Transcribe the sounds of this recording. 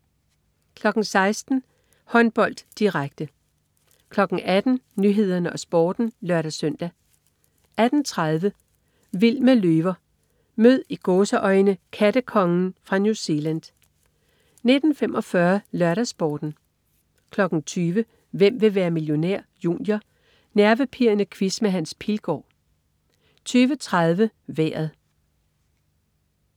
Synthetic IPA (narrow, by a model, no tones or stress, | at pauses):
kʰlɒ̽ɡ̥ŋ̩sɑ̈ɪsd̥n̩ | hɒ̽nb̥ɒ̽l̰d̥ːiʁaɡ̥̚d̥ə | kʰlɒ̽ɡ̥n̩ʔæd̥n̩nyɦe̝ð̞̰ˠɐnəʔɒ̽sb̥ɒːd̥n̩lɶɐ̰ɾæsøn̰d̥æ | ʔæd̥n̩t͡sʰʁað̞ˠʋə | ʋil̰məløːʋɐ | møð̰ˠiɡ̥ɔːsəʔɒ̽ɪnəkʰæd̥əkʰɒ̽ŋn̩fʁɑ̈njuse̝læn̰d̥ | ne̝d̥n̩femʔɒ̽fɶːɐlɶɐɾæsb̥ɒːd̥n̩ | kʰlɒ̽ɡ̥n̩t͡sʰyːʋə | ʋem̰ʋe̝ʋæːɐmiljo̝neɐ̰jṵːnjɐ | næɐʋəpʰiɐnəkʰʋismeɦænspʰilɡ̥ɒ̰ː | t͡sʰyːʋət͡sʰʁað̞ˠʋəʋḛːɐð̩ˠ